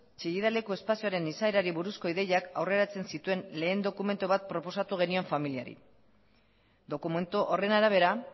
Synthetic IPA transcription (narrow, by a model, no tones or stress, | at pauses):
t͡ʃeɣiðale̞kue̞spasioaɾe̞nisaeɾaɾiβuɾusko̞iðe̞jaka̰wre̞ɾat͡se̞nsit̪ue̞nle̞ːnd̪o̞kume̞nt̪oβat̪̚pɾo̞po̞sat̪uɣe̞nio̞ɱfamiliaɾḭ | d̪o̞kume̞nt̪uʔore̞naɾaβ̞e̞ɾa